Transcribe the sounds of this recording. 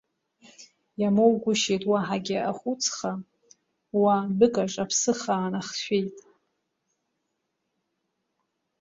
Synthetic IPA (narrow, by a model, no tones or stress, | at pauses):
jamowɡʷʊʃejtʼwaħaɡʲɪaχʷut͡sʰχa | wabɨkʼaʈ͡ʂʼapʰsɨχaːnaχʃʷᶣejtʼ